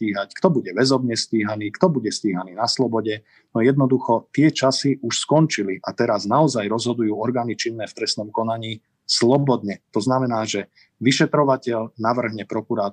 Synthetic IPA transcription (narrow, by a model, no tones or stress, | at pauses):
iːɦackt̪ɔbuɟɛʋɛzɔbɲɛsciːɦaniːkt̪ɔbuɟɛsciːɦaniːnaslɔbɔɟɛ | nɔjɛd̪nɔd̪uxɔt̪ɪɛt͡ʃasiʔuʃskɔnt͡ʃiliʔat̪ɛɾaznaɔzajɾɔzɦɔd̪ujuːɔɾɡaːnit͡ʃinːɛːft̪ɾɛst̪nɔmkɔnaɲiː | slɔbɔd̪ɲɛt̪ɔznamɛnaːʒɛ | ʋiʃɛt̪ɾɔʋacɛʎnaʋr̩ɦɲɛpɾɔkuɾaː